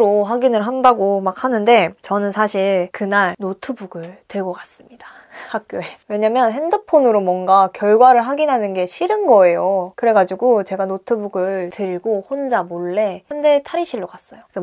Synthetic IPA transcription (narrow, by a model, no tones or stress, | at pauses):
ɾoɦaɡinɯɭɦandaɡomak̚hanɯnde̞t͡ɕʌnɯnsʰaɕʰiɭkɯnaɭnotʰɯbuɡɯɭtɯɭɡʌkas͈ɯmɲid̥ḁ | hak̚k͈joewe̞ɲamjʌnɦe̞ndɯpʰonɯɾomwʌnɡakjʌɭɡwaɾɯɭɦaɡinɦanɯnɡe̞ɕʰiɾɯnɡʌe̞jokɯɾe̞ɡad͡ʑiɡot͡ɕe̞ɡanotʰɯbuɡɯɭɭtɯɭɡohond͡ʑamoɭːe̞ʌndetʰaɾiɕʰiɭːokas͈ʌjoksʌ